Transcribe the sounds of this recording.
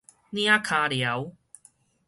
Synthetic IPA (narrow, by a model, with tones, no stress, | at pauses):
nĩ˦a˦kʰa˧lja˨˦w